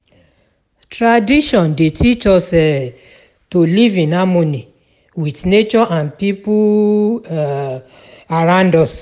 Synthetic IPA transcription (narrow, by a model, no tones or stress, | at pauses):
tɾadiʃɔ̃ndetit͡ʃɔsɛ | tolivĩnamoni | widnet͡ʃɔʔãnpipu | aɾãndɔs